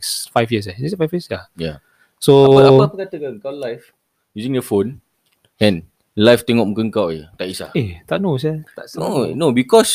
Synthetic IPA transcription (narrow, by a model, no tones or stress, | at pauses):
ksfajfjəs̬ɛneksfajfjəsjaja | soaəpəkat̪əkəŋkawlajf | juzĩŋdəfon | ɛ̃n | lajft̪ɛŋɔk̚mukəŋkawet̪aʔisa̰et̪aʔ̚nosɛt̪anonobikɔs